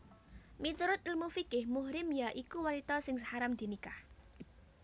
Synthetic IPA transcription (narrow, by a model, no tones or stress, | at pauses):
mit̪uɾʊt̪̚ɪlmufikɪhmʊhɾɪmjaʔikuwanit̪ɔsɪŋsəhaɾamd̪̥i̤nikah